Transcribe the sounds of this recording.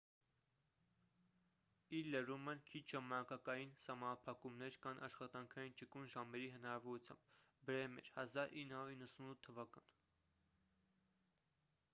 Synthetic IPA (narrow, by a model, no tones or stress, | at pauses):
iɾlərumənkʰit͡ʃʰʒɑmɑnɑkɑkɑjinsɑmɑnɑpʰɑkumnɛɾkʰɑnʔɑʃχɑt̪ɑŋkʰɑjint͡ʃəkunʒɑmɛɾiɦənɑɾɑvɔɾut͡sʰjɑ̰mb̥̚ | bəɾɛimɛ̰t͡ʃʰhɑzɑɾinːəhɑuɾinːəsunut̪ʰːəvɑkɑn